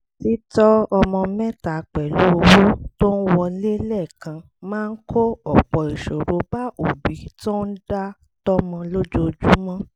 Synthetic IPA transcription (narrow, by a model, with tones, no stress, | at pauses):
ti˦tɔ˦ɔ˧mɔ̃˧mɛ˦ta˨k͡pɛ˨lu˨˦o˧wu˦to˦n̩˦wɔ˧le˦lɛ˦˨kã˧ | mãː˦˧n̩˦kʰo˦ɔ˨k͡pɔ˨i˨ʃo˨ɾo˨˦ba˦o˨bi˨˦to˦n̩˦da˦ | tɔ˦mɔ̃˧lo˦d͡ʒo˦d͡ʒu˦mã˦